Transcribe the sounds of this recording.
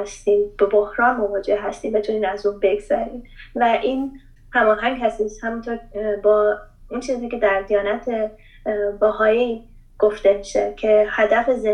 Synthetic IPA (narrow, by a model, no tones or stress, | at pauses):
st̪iːmb̥ebohɾɒːnmovɒːd͡ʒe̞hɦæst̪iːmbe̞t̪ʰuniːnæzuːnbe̞ɡz̥æɾiːmvæʔiːn | hæmɒːɦæŋɡhæst̪ishæmint̪ʰoɾbɒː | unt͡ʃʰiːziːce̞d̪æɾd̪ijɒːnæt̪ʰe | bæɦɒːji | ɡ̥oft̪e̞miʃecʰe̞hæd̪æfeze